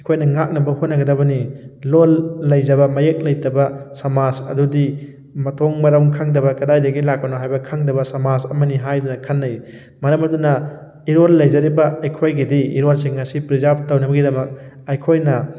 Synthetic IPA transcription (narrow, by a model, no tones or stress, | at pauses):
ɐjkʰojnɐŋak̚nɐbɐhotnɐɡɐdɐbɐnilolːɐjzɐbɐmɐjek̚lɐjtɐbɐsɐmasɐ̰dudi | mɐtʰoŋmɐɾɐmkʰaŋdɐβɐkɐdajdɐɡilakːɐnoɦajbɐkʰaŋdɐbɐsɐmasɐmɐniɦajdunɐkʰɐnːaj | mɐɾɐmɐdunɐ | iɾolːɐjzɐɾibɐɐjkʰojɡidiiɾolsiŋːɐsipɾizab̚tɐwnɐbɐɡidɐmɐk̚ɐjkʰojnɐ